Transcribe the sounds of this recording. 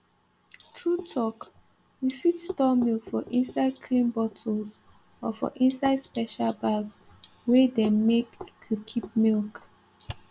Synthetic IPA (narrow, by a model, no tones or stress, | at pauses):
tʰɹutʰɔk | wifitstɔmilkfɔʔĩnsaɪd̚kʰlĩnbɔtʰəl̩z | ɔfɔ̰ʔĩnsaɪdspɛʃalbaɡs | wedemektʰukʰip̚milk